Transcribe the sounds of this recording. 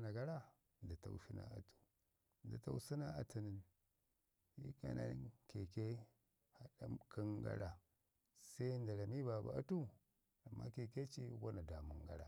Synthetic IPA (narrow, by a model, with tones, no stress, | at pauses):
na˨ɡa˦ɾa˦ | nda˨ta̰˨wu˦si˦na̰˨a˨tu̥˨ | nda˨ta̰˦u˦si˦na˦a˨tu˨ni˨n | ji˦ka̰˨˦nʔa̰˦ke˨ke˦ | ha˨ɗa˦kʰi˦ŋɡa̰˦ɾa˨ | sa˦i˦nda˨ɾa˨mi˦ba˨ba̰˨a˦tu˦ | a˨mːa̰˦ke˨ke˦t͡ʃi˦wa˦na˨da˨mu˨ŋɡa̰˦ɾa˨